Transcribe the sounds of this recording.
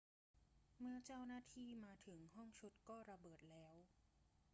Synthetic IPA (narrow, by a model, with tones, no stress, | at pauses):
mɯ˥ɐt͡ɕaː˥˩wnaː˥˩t̪ʰiː˥˩maː˧t̪ʰɯ˩˦ŋhɔ˥˩ŋt͡ɕʰu˦˥t̪̚kɔː˥˩ɾa˧bɤː˨˩t̪̚lɛː˦˥w